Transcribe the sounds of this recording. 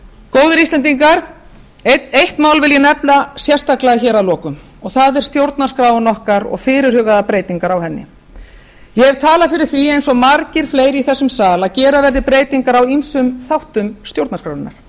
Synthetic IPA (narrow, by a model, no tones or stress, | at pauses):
koːwðʏɾislɛnt̪̬iŋkaɾ̥ | ejht̪maːwlvɪljɛnɛplasjɛr̥st̪aklaɣaçɛːɾawlɔːkʏm | ɔɣθaðɛɾ̥st̪jowɾt̪naskɾaːwʏnɔhkaɾɔ̰ɣfɪːɾɪɾ̥hʏːɣaðapɾeːjt̪iŋkaɾawhɛnːɪ̰ | jɛɛv̥t̪ʰaːlafɪɾɪɾ̥θviejnsɔɣmaɾcɪɾ̥fleːjɾiθɛsːʏmsaːlaðcɛːɾavɛɾðɪpɾeːjt̪iŋkaɾawinsʏmθawht̪ʏmst̪jowɾt̪nskɾaːwɪnːa̰ɾ̥